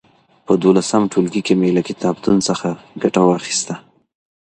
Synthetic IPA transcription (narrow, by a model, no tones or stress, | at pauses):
pəd̪olasamʈolɡikemelakɪt̪ɑbd̪unsəxaɡaʈawɑxi̥st̪a